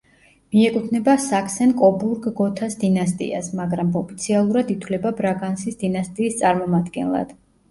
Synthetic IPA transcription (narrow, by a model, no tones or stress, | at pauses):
miɛkʼut̪ʰnɛbasakʰsɛnkʼɔbuɾɡːɔt̪ʰasd̪inast̪ʼḭa̰smaɡɾamɔpʰit̪sʰialˠuɾad̪it̪ʰlɛbabɾaɡansisd̪inast̪ʼiːst̪sʼaɾmɔmad̪ɡɛ̰nlˠa̰d̪̥